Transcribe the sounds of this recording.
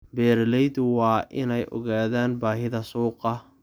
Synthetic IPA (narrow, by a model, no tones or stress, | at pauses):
bɛːɾlɛjd̪wɑːʔɪnɛjʔɔ̰ɣaːðaːnbaːɦɪðɐsuːqɐ